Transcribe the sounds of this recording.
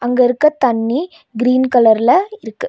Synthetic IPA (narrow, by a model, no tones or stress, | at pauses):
ɐŋɡɐɪɾɯkːɐt̪ɐɳːi | ɡɪɾiːnkɐlɐɾɪlɐɪɾɯkːɯ